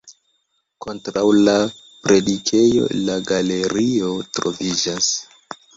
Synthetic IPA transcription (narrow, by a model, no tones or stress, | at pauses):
ko̞ntɾawla | pɾe̞dikʰe̞jo̞̰laɡale̞ɾio̞tɾo̞̰vid͡ʒas